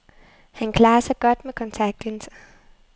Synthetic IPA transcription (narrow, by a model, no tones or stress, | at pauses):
hænkʰlɑ̈ːɐsɑ̈ɪɡ̥ɒd̥mekʰɒ̽nt͡sʰɑɡ̥̚d̥ens